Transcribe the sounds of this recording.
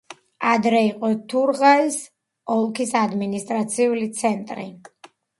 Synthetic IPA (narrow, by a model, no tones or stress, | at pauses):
ad̪ɾɛiqʼɔt̪ʰuɾʁais | ɔlˠkʰisad̪minist̪ʼɾat̪sʰiulit̪sʰɛnt̪ʼɾḭ